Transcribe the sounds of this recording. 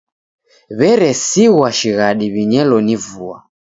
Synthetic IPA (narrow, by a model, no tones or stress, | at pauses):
βɛɾɛsiɣwaʃiɣaɗiβiɲɛlɔnivua